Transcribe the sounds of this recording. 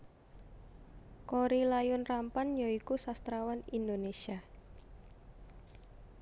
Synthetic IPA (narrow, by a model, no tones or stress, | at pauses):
koɾilajʊnrampanjɔikusast̪ɾawanind̪onesia